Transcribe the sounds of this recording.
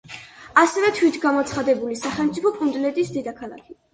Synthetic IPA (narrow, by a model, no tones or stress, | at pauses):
asɛvɛt̪ʰwit̪ʰɡamɔt̪sʰχad̪ɛbulisaχɛlˠmt̪sʼipʰɔkʼund̪lɛt̪ʼisd̪id̪akʰalˠa̰kʰi